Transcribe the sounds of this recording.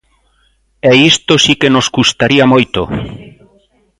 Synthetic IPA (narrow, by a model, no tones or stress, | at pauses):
ɛist̪osikenoskust̪aɾiamojt̪o